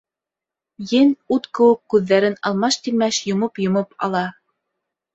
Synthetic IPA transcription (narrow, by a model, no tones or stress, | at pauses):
jɘnut̪kɘ̆wɘkːʉðːæɾɘnɑ̰lˠmɑʃt̪imæʃjŏmɤpjŏmɤpɑ̰lˠɑ